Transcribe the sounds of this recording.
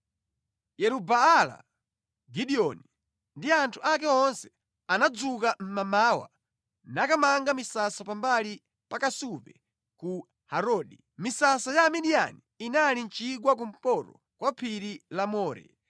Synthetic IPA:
jɛɾubaːla̰ | ɡiɗiɔni | ndiantʰuʔak̬ɛɔnsɛ | anad͡zukam̩mamaːwa̰ | nakamaŋɡamisasapambali | pakasuvɛ̰ | ku | haɾɔːɗi | misasajamiɗia̰niːnalint͡ʃiɡwak̬um̩pɔɾɔ̰ | kwapʰiɾilamɔːɾɛ̰

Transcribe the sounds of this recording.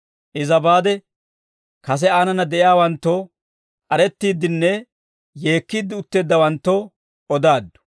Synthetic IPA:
ʔɪzɐbaːd̪ɛ | kɐs̬ɛaːnɐnɐd̪ɛʔɪjaːwɐnt̪ːo | kʼɐɾɛt̪ːiːd̪ːɪnːɛ | je̞ːkːiːd̪ːɪʊt̪ːe̞ːd̪ːɐwɐnt̪ːɔ | ʔɔd̪aːd̪ːʊ̥

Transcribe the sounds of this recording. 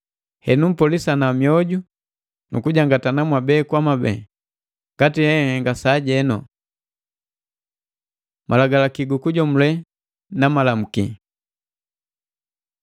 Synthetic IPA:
hɛnum̩pɔlisanamiɔɟu | nukuɟaŋɡatanamwabɛkwamabɛ̰ː | ŋɡatihɛŋɛŋɡasaːɟɛnɔ | mʔalaɡalakiɡukuɟɔmulɛ | namalam̩ki

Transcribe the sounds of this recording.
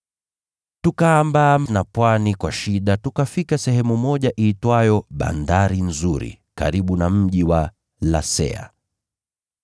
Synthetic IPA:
tukaːmbaːmnapwanikwaʃiɗatukafikasɛhɛmumɔʄaʔiːtwajɔɓa̰ndaɾin̩zuɾḭ | ka̰ɾiɓunam̩ʄiwa | la̰sɛ̰a̰

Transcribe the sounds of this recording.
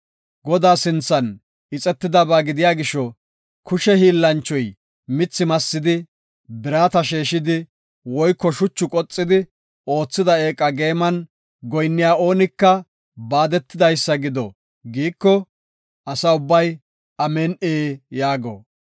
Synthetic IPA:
ɡɔd̪aːsɪnt͡sːɐn | ɪt͡sʼɛt̪ːɪd̪ɐbaːɡɪd̪ɪjaːɡɪʃɔ | kʊʃɛhiːlːɐnt͡ʃːɔj | mɪt͡sːɪmɐsːɪd̪ɪ | bɪɾaːt̪ɐʃeːʃɪd̪ɪ | wɔjkːɔʃʊt͡ʃːʊkʼɔt͡sʼːɪd̪ɪ | o̞ːt͡sːɪd̪ɐe̞ːkʼɐɡe̞ːmɐn | ɡɔjnːɪjaːo̞ːnɪkːɐ | baːd̪ɛt̪ːɪd̪ɐjsːɐɡɪd̪ɔ | ɡiːkːɔ | ʔɐsɐʊbːɐj | ɐmeːnʔeːjaːɡɔ̰

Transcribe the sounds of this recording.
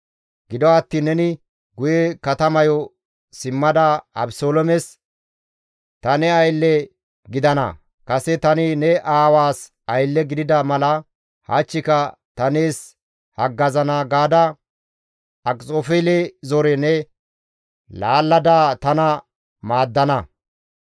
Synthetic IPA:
ɡɪd̪ɔɐt̪ːiːnːɛnɪ | ɡʊjɛkɐt̪ɐmɐjɔ | sɪmːɐd̪aɐbsoːlɔmɛs | t̪ɐnɛɐjlːɛ | ɡɪd̪ɐnɐ̰ | kɐsɛt̪ɐnɪnɛʔaːwaːs | ɐjlːɛɡɪd̪ɪd̪ɐmɐlɐ | haːt͡ʃːɪkɐ | t̪ɐneːs | hɐɡːɐzɐnaɡaːd̪ɐ | ɐkʼt͡sʼoːfɛlezɔɾɛnɛ | laːlːɐd̪aːt̪ɐnɐ | maːd̪ːɐnɐ

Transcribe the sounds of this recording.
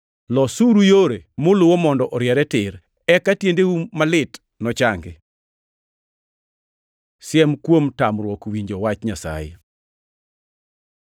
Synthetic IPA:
lɔsuɾujoɾemʊlʊwomɔndɔʔɔɾjɛɾɛtɪɾ | ɛkatjendewumalɪt | nɔt͡ʃaŋɡe | sjɛmkwomtamɾwɔkwiɲd͡ʒowat͡ʃɲasa̰jḛ

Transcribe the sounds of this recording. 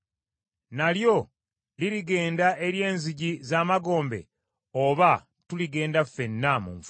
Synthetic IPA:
naljo̞ | liɾiɡe̞ːndaʔe̞ɾje̞ːnziɟizaːmaɡo̞ːmbe̞̰ | oβa | tuliɡe̞ːndafe̞nːamṵɱf

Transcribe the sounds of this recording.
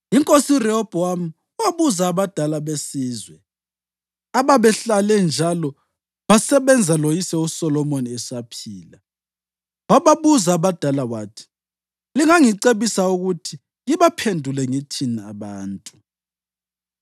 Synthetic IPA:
iŋkʼosirɛɔb̥ʱɔam̩ | uwaβuzaːβad̥ʱalaβesiːzwɛ | aβaβɛɬalɛnd͡ʒʱalɔ | βasɛβɛnd͡zʱalojisɛusɔlɔmoniɛsapʰiːla | waβaβuzaːβad̥ʱalawaːtʰi̥ | liŋaŋiǀeβisauɣutʰi | ɣiβapʰendʱulɛŋitʰinaaβaːntʼu

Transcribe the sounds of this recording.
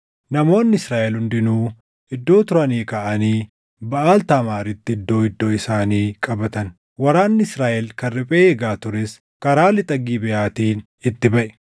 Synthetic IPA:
nɐmo̞ːnːɪsɾaːʔɛlhʊnd̪ɪnuː | ɪd̪ːo̞ːt̪ʊɾɐniːkɐʔɐniː | bɐʔaːlt̪aːmaːɾɪt̪ːɪɪd̪ːo̞ːɪd̪ːo̞ːɪsaːniːkʼɐbɐt̪ɐn | wɐɾaːnːɪɪsɾaːʔɛlkɐrːɛpʼeːheːɡaːt̪ʊɾɛs | kɐɾaːlːɪt̪ʼɐɡiːbɛjaːt̪iːn | ɪt̪ːɪbɐʔɛ̥

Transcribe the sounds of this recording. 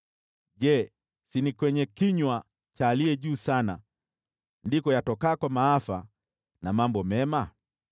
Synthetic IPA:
ʄɛ | sinikwɛɲɛkiɲwa | t͡ʃaːliɛʄuːsana̰ | ndikɔjatɔkaːkwamaafa̰ | namambɔmɛma

